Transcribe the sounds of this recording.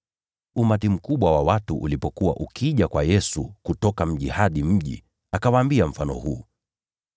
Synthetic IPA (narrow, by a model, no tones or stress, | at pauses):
umatim̩kuɓwawawatuʔṵlipɔkuwa̰ʔukʰiʄakwajɛsukutɔkam̩ʄihaɗim̩ʄḭ | akawaːmbiam̩fanɔ̰hṵː